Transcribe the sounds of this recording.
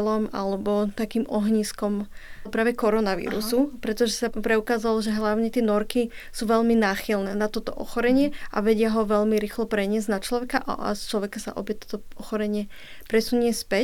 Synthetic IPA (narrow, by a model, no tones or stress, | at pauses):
lɔma̰lɛbɔt̪akiːmʔɔɦɲiːskɔmpɾaːʋɛkɔɾɔnaʋḭːɾṵsupɾɛt̪ɔʒɛsapɾɛukaːzalɔʒɛɦlaʊɲɛt̪ɪɛnɔɾki | suːʋɛʎminaːxilnɛːnat̪ɔt̪ɔ̰ʔɔ̰xɔɾɛɲɪɛʔa̰ʋɛɟɪaɦɔʋɛʎmiɾiːxlɔpɾɛɲɪɛzɟnat͡ʃlɔʋɛkaʔa̰ʔa̰st͡ʃlɔʋɛkasa̰ʔɔ̰bɛt̪ɔ̥t̪ɔɔxɔɾɛɲɪɛ | pɾɛsuɲɪɛspɛ